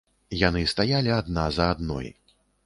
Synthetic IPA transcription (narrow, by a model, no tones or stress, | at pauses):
janɨst̪ajalʲiad̪nazɐːd̪nɔ̰j